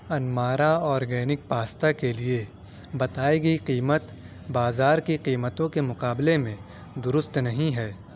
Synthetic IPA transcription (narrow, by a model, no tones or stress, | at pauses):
ɐnmaːɾaɔːɾɡɛːnɪk̚paːst̪akelie | bɐt̪aːeɡɐiqiːmət̪ | baːzaːɾkiqiːmət̪õkemʊqaːblemẽ | d̪ʊɾʊst̪nɐɦĩɦɛː